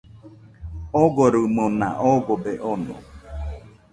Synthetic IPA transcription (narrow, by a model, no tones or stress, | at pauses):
oɡoɾɨmona̰ʔoɡobeʔonõ̰